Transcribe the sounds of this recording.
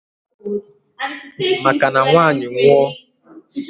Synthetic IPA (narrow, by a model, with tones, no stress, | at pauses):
ma˨ka˨na˨ŋʷaː˦˨ɲɪ˨ŋʷɔ˦